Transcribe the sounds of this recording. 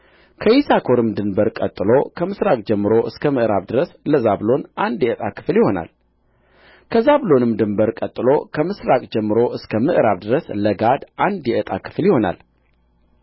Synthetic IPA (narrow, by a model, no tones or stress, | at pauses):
kʰəjisakʰo̞ɾɨmd̪ɨnbəɾkʼət̪ʼːɨlokʰəmɨsɾakʼd͡ʒɛmːɨɾo̞ʔɨskʰəmɨʔɾa̰βd̪ɨɾəsləzaβlo̞nʔand̪jɛʔət̪ʼakʰɨ̥fljɪho̞na̰l | kʰəzablo̞nɨmd̪ɨmbəɾkʼət̪ʼːɨlo̞kʰəmɨsɾakʼd͡ʒɛmːɨɾo̞ʔɨskʰəmɨʔɾaβd̪ɨɾəsləɡad̪ʔand̪jɛʔət̪ʼa̰kʰɨ̥flɪho̞na̰l